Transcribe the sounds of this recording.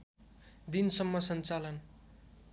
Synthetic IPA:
d̪insʌmːʌsʌnt͡salʌn

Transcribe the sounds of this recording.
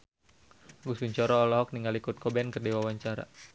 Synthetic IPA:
ɡusuɲt͡ʃɔɾɔːlɔɦɔk̚niŋɡalikut̪̚kʰɔbɛnkərdiwawaɲt͡ʃaɾa̰

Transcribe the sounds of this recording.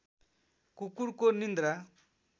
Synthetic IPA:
kukuɽkonind̪ɾa

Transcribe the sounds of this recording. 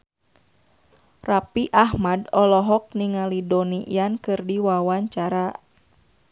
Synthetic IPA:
rapiʔaɦmadɔlɔɦɔk̚niŋalidɔniʔḭjankɨrdiwawaɲt͡ʃaɾa

